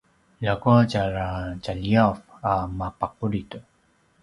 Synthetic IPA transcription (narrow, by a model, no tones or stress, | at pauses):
ʎakuat͡ɕaɾat͡ɕaʎiaf | amapaquɾitu